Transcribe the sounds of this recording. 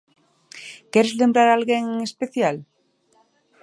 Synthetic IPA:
keɾezlembɾaɾalɣeŋŋespeθjal

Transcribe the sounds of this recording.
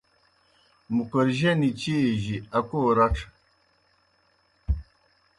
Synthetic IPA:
mukəɾʒanit͡ʃiʒiakoɾaʈ͡ʂ

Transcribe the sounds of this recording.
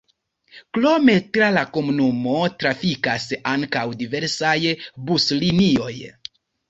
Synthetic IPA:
klo̞me̞tɾalako̞munumo̞tɾafikasaŋkawdive̞ɾsajbuslinio̞j

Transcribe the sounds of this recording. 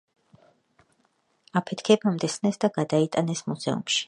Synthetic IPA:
apʰɛt̪ʰkʰɛbamd̪ɛsnɛsd̪aɡ̥ad̪ait̪ʼanɛsmuzɛṵmʃi̥

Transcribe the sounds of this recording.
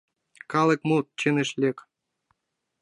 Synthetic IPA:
kɑlɤ̆k̚mut̪̚t͡ɕĕnɘ̆ʃlʲek

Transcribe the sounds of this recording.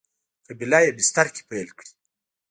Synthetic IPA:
kabilajebɪst̪aɾkʲi̥pajlkɽi̥

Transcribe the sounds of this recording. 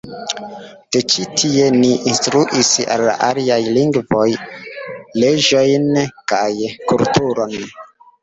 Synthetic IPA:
d̥et͡ʃitʰie̞niʔinstɾuʔisa̰lːa̰ʔaliajliŋɡvo̞j | led͡ʒojnkajkultuɾon

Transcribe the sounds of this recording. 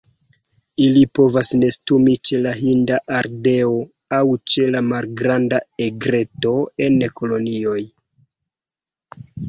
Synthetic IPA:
ilipo̞vasne̞stumit͡ʃe̞laɦindaʔaɾde̞o̞ | awt͡ʃe̞lamalɡɾandaeɡɾe̞to̞e̞neko̞lo̞nio̞j

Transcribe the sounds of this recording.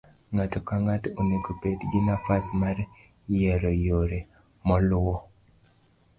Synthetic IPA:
ŋatɔkaŋatonekopedɡinafasmar | jɛɾɔjoɾe | mɔlʊɔ

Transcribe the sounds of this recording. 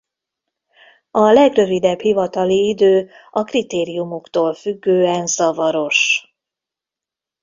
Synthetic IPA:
ɒlɛɡrø̞vid̪ɛbhivɒt̪ɒliid̪øː | ɒkrit̪eːɾijumukt̪oːlfyɡːøːɛnzɒvɒɾo̞ʃ

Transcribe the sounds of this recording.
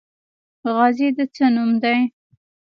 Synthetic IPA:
ɣɑzid̪ət͡sənumd̪aj

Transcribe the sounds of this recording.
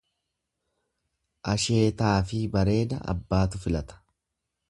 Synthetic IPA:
ʔɐʃe̞ːt̪aːfɪbɐɾe̞ːd̪ɐ̰ɐ̰bːaːt̪ʊfɪlɐt̪ɐ̥

